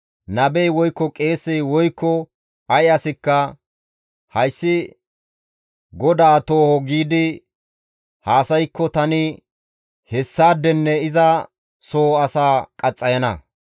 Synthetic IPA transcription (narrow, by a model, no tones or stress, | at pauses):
nɐbɛjwɔjkːɔkʼe̞ːsːɛjwɔjkːɔ | ɐjɐsɪkːɐ | hɐjsːɪ | ɡɔd̪aːt̪o̞ːhɔɡiːd̪ɪ | haːsɐjkːɔt̪ɐnɪ | hɛsːaːd̪ːɛnːɛɪzɐ | so̞ːɐsaːkʼɐt͡sʼːɐjɐnɐ̰